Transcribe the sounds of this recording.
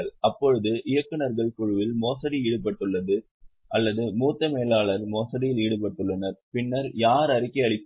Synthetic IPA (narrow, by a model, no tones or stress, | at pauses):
ɭɐpːɔɻɯðɯʔɪjɐkːɯnɐɾɣɐɭkʊɻɯʋɪlmoːsɐɽiiːɽɯpɐʈːɯɭːɐðɯ | ʔɐlːɐðɯmuːt̪ːɐmeːlaːɭɐɾmoːsɐɽɪjɪliːɽɯpɐʈːɯɭːɐnɐɾpɪnːɐɾjaːɾɐɾɪkːɐɐɭɪpː